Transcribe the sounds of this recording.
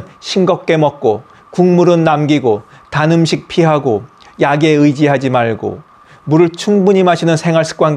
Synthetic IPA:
ɕʰinɡʌk̚k͈e̞mʌk̚k͈o | kuŋmuɾɯnːamɡiɡotanɯmɕʰik̚pʰiɦaɡo | jaɡe̞ɯjd͡ʑiɦad͡ʑimaɭɡo̰ | muɾɯɭt͡ɕʰuŋbuɲimaɕʰinɯnsʰe̞ŋɦwaɭs͈ʰɯ̥k͈wanɡ

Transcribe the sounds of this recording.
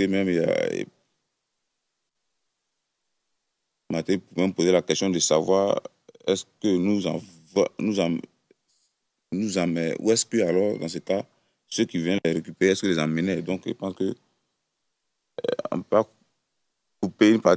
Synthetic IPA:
emɛ̃ma̰ḛ | mat̪ɛ̃pumɛ̃mpozelakɛst̪jɔ̃d̪əsavwaʁ | ɛskønuzã̰ | vnuzã | nuzãmɛṵɛskəalɔʁd̪ãset̪a | søkivɛ̃nlɛɾekypeʁeɛskəlɛzãmened̪ɔ̃kḭpɑ̃skø | ɔ̰̃ppa | kupeynpa

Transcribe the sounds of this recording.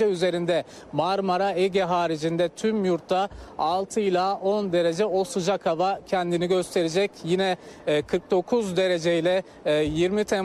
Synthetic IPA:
ɛyze̞ɾind̪ɛ | maɾmaɾaeɟɛɦaːɾid͡ʒind̪ɛt̪ʰymjuɾt̪ːaalˠt̪ʰɯilʲˠaːʔo̞nd̪e̞ɾe̞d͡ʒɛosɯd͡ʒakʰavacʰɛnd̪iniɟø̞st̪ʰe̞ɾed͡ʒɛcjinɛkʰɯɾk̚d̪o̞kʰuzd̪e̞ɾe̞d͡ʒejlʲɛ | jiɾmit̪ʰɛ

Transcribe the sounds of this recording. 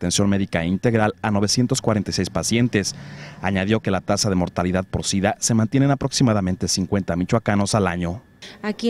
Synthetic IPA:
t̪e̞nsjo̞nme̞ðikaeint̪e̞ɣɾalano̞β̞e̞sje̞nt̪o̞skwaɾent̪ajsejspasje̞nt̪e̞saɲað̞jo̞ke̞lat̪asaðe̞mo̞ɾt̪aliðaðpoɾsiðase̞mant̪je̞nenapɾo̞ksimaðament̪e̞siŋkwe̞nt̪amit͡ʃwakano̞salaɲo̞ | ak

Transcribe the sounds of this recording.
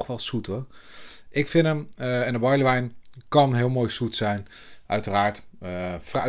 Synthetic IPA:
χʋɛlˠsutɔ | ʔɪkfɪnəmɛndəbɑjləʋɛjnkɑnɦɪəlˠmoːjsutsɛjn | ʔœɥtəraːɹtfra

